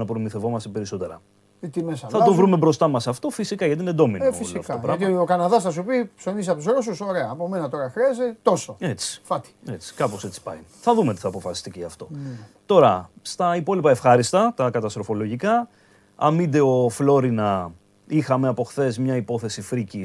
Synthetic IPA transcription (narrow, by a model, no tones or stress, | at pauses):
nɐpɾomiθe̞vo̞mɐst̪e̞pe̞ɾiso̞t̪e̞ɾɐ̰ | it̪imesɐθlɐt̪ovɾume̞bɾo̞st̪ɐmɐsɐft̪o̞fisikɐʝɐt̪ined̪o̞minfisiɐfoɐopɾɐɐmt̪okɐnɐðɐsθɐs̬upipso̞nis̬eɐpouszɾos̬usoɾe̞ɐːpomenɐt̪o̞ɾɐxɾeɐzet̪o̞soe̞t͡si̥fɐt̪i̥et͡si̥kɐpo̞se̞t͡si̥pɐ̰iθɐðumet̪iθɐːpo̞fɐsi̥st̪iceʝɐft̪o̞t̪o̞ɾɐst̪ɐipo̞lipɐe̞fxɐɾist̪ɐt̪ɐkɐt̪ɐst̪ɾo̞fo̞lo̞ʝikɐ | ɐ̰mid̪e̞o̞flo̞ɾinɐ | ixɐme̞ɐpo̞xθe̞zmɲɐipo̞θe̞sifɾici